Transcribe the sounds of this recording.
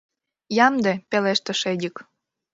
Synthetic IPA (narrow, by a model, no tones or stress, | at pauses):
jɑmd̪epeleʃt̪ĕʃedʲək